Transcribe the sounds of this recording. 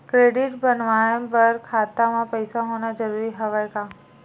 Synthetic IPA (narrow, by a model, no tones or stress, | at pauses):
kɾeɖiʈbənʋãbəɾkʰat̪amãpəjsaɦonad͡ʒəɾuɾiɦəʋajka